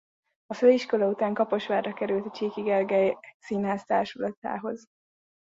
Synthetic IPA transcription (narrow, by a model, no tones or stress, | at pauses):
ɒføːiʃko̞lɒut̪aːŋkɒpo̞ʃʋaːrːɒkɛɾylt̪ɒt͡ʃeːkiɡɛlɡɛjsinɦaːst̪aːrʃulɒt̪a̰ːɦo̞z